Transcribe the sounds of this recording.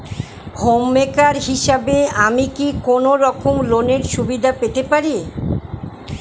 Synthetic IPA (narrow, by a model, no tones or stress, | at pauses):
homːekaɾɦiʃabeamikikonoɾɔkʰomloneɾʃubid̪ʱapet̪epaɾi